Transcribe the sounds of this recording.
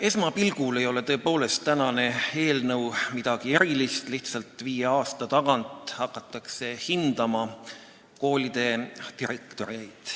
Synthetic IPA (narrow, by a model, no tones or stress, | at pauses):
e̞smɑpilɡ̥ule̞jo̞le̞t̪ɤ̞ːpo̞ːle̞st̪ːænɑne̞e̞ːlnɤwmid̪̥ɑɡ̥ie̞ɾilist̪liht̪sɑlt̪ˑviːje̞ɑːst̪ɑt̪ɑɡɑnt̪ˑhɑkːˑɑt̪ːˑɑkse̞hind̪̥ɑmɑ | ko̞ːlʲid̪̥e̞t̪iɾekt̪o̞ɾiejd̪̥